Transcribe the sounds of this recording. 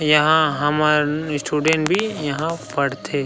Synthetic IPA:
jɐɦãɦɐmaɾɪsʈuːɖẽɳʈbʱijɐɦãpɐɽt̪ʰeː

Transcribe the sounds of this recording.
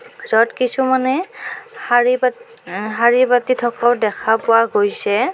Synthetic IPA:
zɔtkisumanɛhaɹi | ɦaɹibatitʰɔkawdɛkʰapʊaɡojsɛ

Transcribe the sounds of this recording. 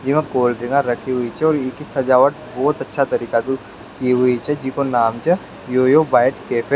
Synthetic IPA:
d͡ʒɪʋãkoːlɾɪ̃ŋɡãɾɐkʰiɦʊit͡ʃʰɛɔːɾɪkisɦɐd͡ʒaːʋəʈbɔːt̪ɐtːʃʰat̪ɐɾiːkad̪u | kiɦʊit͡ʃʰɛd͡ʒikonaːmt͡ʃə | joːjobaːjʈkeːpʰe

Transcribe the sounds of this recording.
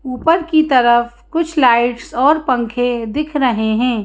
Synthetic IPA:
uːpəɾkit̪ɐɾəf | kʊt͡ʃʰlaːɪʈsɔːɾpɐ̃ŋkʰẽd̪ɪkʰɾɐɦeɦɛ̃ː

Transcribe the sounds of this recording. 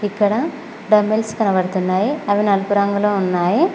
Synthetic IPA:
ikːɐɽɐ | ɖɐmːelskɐnɐʋɐɽɯt̪unːaːjiɐʋinɐlpuɾaːŋɡɐloːunːaːji

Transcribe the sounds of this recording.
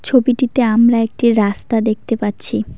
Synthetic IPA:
t͡ɕʰobiʈit̪eamɾaek̚ʈiɾast̪ad̪ek̚t̪epatːɕʰi

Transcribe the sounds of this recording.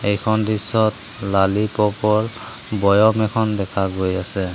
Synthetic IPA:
ejkʰɔndisːɔt̚ | lalipɔpɔɹ | bɔjɔmɛkʰɔndɛkʰaɡojasɛ

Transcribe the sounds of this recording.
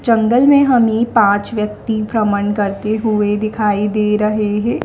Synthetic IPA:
d͡ʒɐ̃ŋɡəlmẽɦɐmepãːt͡ʃʋjək̚t̪ipɾəməɳkɐɾt̪eɦʊed̪ɪkʰaːid̪eːɾɐɦeɦɛ̃ː

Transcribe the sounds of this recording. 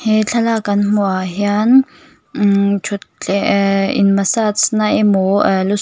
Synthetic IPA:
het͡ɬʰalakʼanmʊaɦjan | t͡ʃʰʊt͡ɬʼɛḭnmasat͡sʰnaɪmolʊ

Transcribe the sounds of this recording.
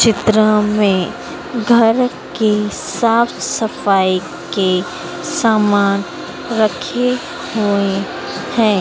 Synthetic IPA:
t͡ʃɪt̪ɾəmẽ | ɡʱɐɾ | kesaːfsɐfaːi | ke | saːmaːn | ɾɐkʰe | ɦoe | hɛ̃ː

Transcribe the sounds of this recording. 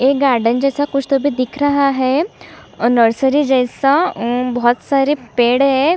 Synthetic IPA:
eɡaːɾɖənd͡ʒɛːsakʊt͡ʃʰt̪obʱid̪ɪkʰɾɐɦaɦɛː | nəɾsəɾid͡ʒɛːsabɔɦt̪saːɾepeːɽɦɛ

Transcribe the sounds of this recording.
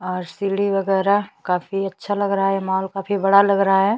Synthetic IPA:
ɔːɾsiːɽiʋɐɡɛːɾakaːfiɐtːʃʰalɐɡɾɐɦaɦɛmaɦɔːlkaːfibɐɽalɐɡɾɐɦaɦɛː

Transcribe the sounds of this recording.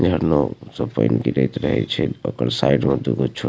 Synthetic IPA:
d͡ʒʱəɾnosəpəɪnkiɾɛjt̪ɾəɦɛ̰t͡ʃʰɛokəɾsaiɖmed̪uɡot͡ʃʰu

